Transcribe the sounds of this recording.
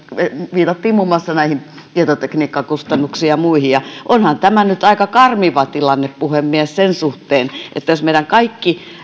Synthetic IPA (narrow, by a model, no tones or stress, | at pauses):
eʋiːt̪ɑt̪ːiːmmumːoɑsːɑnæihin | t̪iet̪ot̪ekniːkːɑkust̪ɑnːuksiːjɑmuihijɑʔonhɑnt̪æmænyt̪ɑikɑkɑrmiʋɑt̪ilɑnːeppuhemːiæssensuht̪eːnʔḛt̪ːæjosmeiɾæŋkɑikːi